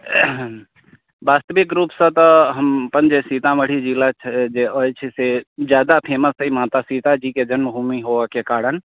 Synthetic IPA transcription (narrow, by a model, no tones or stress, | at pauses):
baːst̪əʋɪkɾuːpsə̃t̪əɦəmpənd͡ʒesiːt̪ãməɽ̤id͡ʒilat͡ʃʰd͡ʒeojt͡ʃʰised͡ʒjaːd̪apʰeːməst̪əimaːt̪asiːt̪ad͡ʒiːked͡ʒənməbʱuːmiɦoːʋakekaːɾən